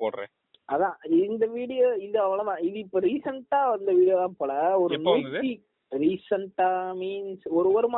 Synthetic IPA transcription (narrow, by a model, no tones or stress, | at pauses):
poːɽɾḛ̃ | ʔɐðãːɪnd̪ɐʋiːɽɪjoɪðɐɐʋɐɭɐðãːɪðɯɪpːoːɾiːsɐɳʈːaːɐɪnd̪ɐʋiːɽɪjoːðãːpoːɭɐɔɾɯnuːtːi | ɾiːsɐɳʈːaːmiːnsɔɾɯʋɐɾɯmː